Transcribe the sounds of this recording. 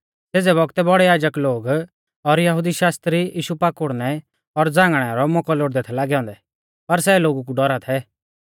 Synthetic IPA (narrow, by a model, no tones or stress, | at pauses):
seːd͡zɛβɔɡt̪ɛbɔɽɛjaːd͡ʒəkloːɡ | ɔɾjɐɦud̪iʃaːst̪ɾiʔiːʃupaːkʊɽnɛ | ɔɾd͡zãːŋɡɽ̃ɛɾɔmʊkɔloɽd̪ɛt̪ʰɛlaːɡɛɔ̃ːnd̪ɛ | pɐɾsɛloːɡuk̬uɖɔɾat̪ʰɛ